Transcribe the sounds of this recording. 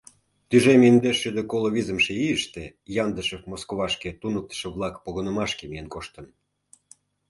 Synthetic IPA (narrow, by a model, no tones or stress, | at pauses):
t̪yʒemind̪eʃːyd̪ekoloβizəmʃĕiəʃt̪e | jɑnd̪əʃəfmoskoβɑʃket̪unək̚t̪ə̥ʃə̆βlˠɑkpoɣənəmɑʃkemijenkoʃt̪ə̆n